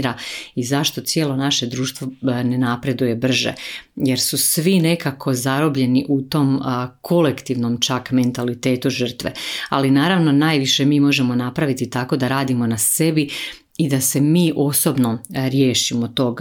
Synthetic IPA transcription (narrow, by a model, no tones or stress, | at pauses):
ɾaizaʃt̪o̞t̪sjeːlˠo̞naʃe̞d̪ɾuːʃt̪vʋonenapɾe̞d̪uje̞br̩ʒḛje̞ɾsusʋine̞kakʰo̞zaɾobʎe̞niʔut̪o̞ːmkʰo̞lekt̪iʋno̞mt͡ʃakme̞nt̪alit̪e̞ːt̪uʒər̩t̪ʋḛa̰linaːɾaʋno̞naːjʋiʃe̞miːmo̞ʒemo̞napɾaʋit̪it̪ako̞d̪aɾaːd̪imo̞nase̞bi | id̪ase̞miːʔo̞sobno̞ɾje̞ːʃimot̪o̞ɡ